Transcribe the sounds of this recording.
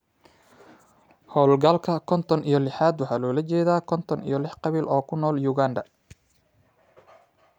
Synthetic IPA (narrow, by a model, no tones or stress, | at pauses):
hɔːlɡɐlkʰɐkʰɔnt̪ʰɔnʔijɞlɪħaːd̪wɑħɑːlɔːlɐt͡ʃɛːðaːkʰɔnt̪ʰɔnḭjɔlɪħqɑβiːlʔɔːkʰʊnɔːljuɣaːnd̪ɐ